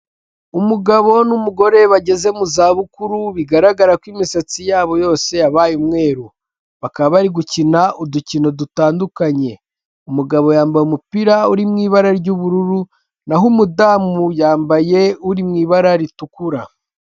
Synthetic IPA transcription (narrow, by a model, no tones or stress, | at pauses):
umuɡaβo̞numuɡo̞ɾe̞βaɟe̞ze̞muzaːβukuɾuβiɡaɾaɡaɾakwimisat͡sijaːβo̞jo̞ːse̞aβajumŋe̞ːɾu | βakaβaβaɾiɡucinaʔuducino̞dutaːndukaɲe̞ | umuɡaβo̞jaːmbajumupiɾauɾimŋiːβaɾaɾɟuβuɾuɾu | naɦumudaːmujaːmbaje̞uɾimŋiːβaɾaɾitukuɾa